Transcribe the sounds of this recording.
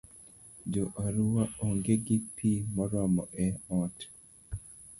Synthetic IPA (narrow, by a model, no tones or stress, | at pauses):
d͡ʒoʔaɾuwaoŋɡeɡipʰimɔɾɔmɔʔɛɔt